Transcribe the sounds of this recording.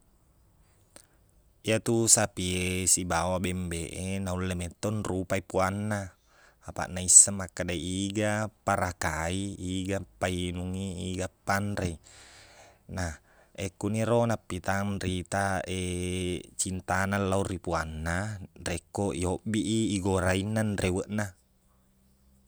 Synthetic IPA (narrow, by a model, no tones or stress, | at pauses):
iat̪usapiesibawabembeʔenaulːemet̪ːonrupaipuanːaː | pa̰ʔnaisːamːakːadaiiɡapaɾakaiːɡapainuŋiːɡapːanrei | na | ekuniɾonapːit̪anrit̪ae | t͡ʃint̪analːaurːipuanːarekːoʔiobiʔiːɡoɾainːanrewəʔna